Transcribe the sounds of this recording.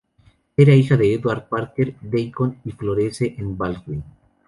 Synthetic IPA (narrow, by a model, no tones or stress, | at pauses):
eɾaixaðeːd̪waɾ̚paɾkeɾd̪ejkonifloɾeseʔenbalɣin